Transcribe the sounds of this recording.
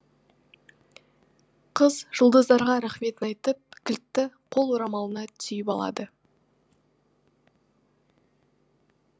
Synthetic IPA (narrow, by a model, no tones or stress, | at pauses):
qʰəzʒ̥əlˠd̪əzd̪ɑɾʁɑɾæχme̞t̪ɪnɑjt̪əp̚kʲʰɪlt̪ːɪqʰo̞lˠwoɾɑmɑlˠənɑt̪ʰʏjɪpɑlˠɑ̰d̪ə